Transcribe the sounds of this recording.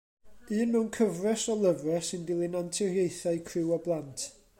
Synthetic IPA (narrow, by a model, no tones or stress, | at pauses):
ɨːnmɪwnkʰəvrɛsɔlˠəvrɛsɨndɪlˠɪnantʰɪrjejθajkʰrɪwɔblˠantʰ